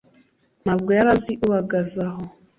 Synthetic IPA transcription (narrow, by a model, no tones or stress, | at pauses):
nabɡwɛɾaziʔuβaɡazaɦɔ